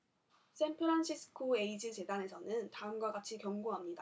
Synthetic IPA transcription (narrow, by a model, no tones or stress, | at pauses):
s͈ʰe̞npʰɯɾanɕʰisʰɯ̥kʰoe̞id͡ʑɯt͡ɕe̞dane̞sʰʌnɯntaɯmɡwaɡat͡ɕʰikjʌŋɡoɦamɲida